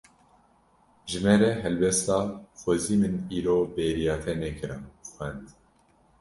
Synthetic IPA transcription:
ʒɨmɛɾɛɦɛlbɛst̪ɑːxʷoziːmɨniːɾoːbeːɾijɑːt̪ʰɛnɛkʰɨɾɑnxwɛnd̪

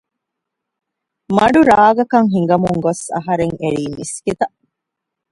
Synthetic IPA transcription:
mɐɖuɾaːɡɐkɐŋɦiŋɡɐmuŋɡosɐ̰ɦɐɾeŋeɾiːmiskit̪ɐ

